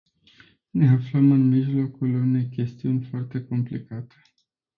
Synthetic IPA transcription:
ne̞afləmɨnmiʒlo̞kulune̞jkʲe̞st̪iunʲfoart̪e̞ko̞mplikat̪e̥

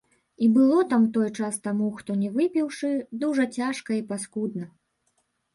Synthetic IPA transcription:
ibɨlˠɔt̪amt̪ɔjt͡ʂast̪amuxt̪ɔnʲɛvɨpʲiwʂɨd̪uʐɐt͡sʲaʂkɐipaskud̪nɐ

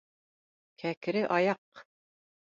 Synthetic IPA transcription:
kʰækɾɘʔɑjɑq

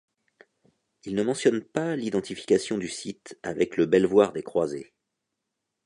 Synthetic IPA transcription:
ilnəmɑ̃sjɔnpalid̪ɑ̃t̪ifi̥kʲasjɔ̃d̪ysit̪avɛkləbɛlvwaʁd̪ekχwaze

